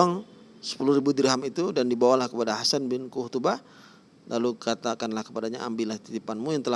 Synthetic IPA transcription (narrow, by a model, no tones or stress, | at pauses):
aŋ | sə̥puluhɾibud̪əɾɦamit̪udandibawalahkəpadaɦasanbɪnkuut̪uba | lʔalukat̪akanlahkə̥padaɲaa̰mbilaht̪idipanmujaŋt̪əla